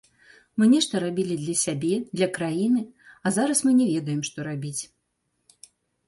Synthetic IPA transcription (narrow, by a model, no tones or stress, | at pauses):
mɨnʲɛʂt̪ɐɾabʲilʲid̪lʲɐsʲabʲɛd̪lʲɐkɾajinɨazaɾɐsmɨnʲɛvʲɛd̪ɐjɛmʂt̪ɔɾabʲit͡sʲ